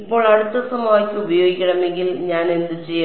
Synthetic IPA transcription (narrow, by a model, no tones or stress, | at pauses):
ipːo̞ːɭɐɽut̪ːɐsɐmaːkʲːɨubɐjo̞ːɡikʲːɐɽɐme̞ŋɡilɲaːnend̪ɨt͡ɕejː